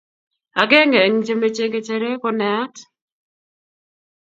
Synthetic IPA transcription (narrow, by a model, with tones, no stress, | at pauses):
a˨ɡe˦ŋe˨ŋt͡ʃe˦me˦t͡ʃe˦ɡe˦˨t͡ʃe˦ɾe˦kɔ˦nɛ˨˦t